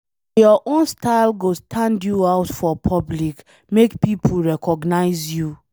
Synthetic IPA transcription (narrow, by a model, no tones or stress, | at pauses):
jɔʔõnstaɪlɡostʰãndjuaʊtfɔpʰɔblik | mekpipʰuɹɛkʰɔɡnaɪzju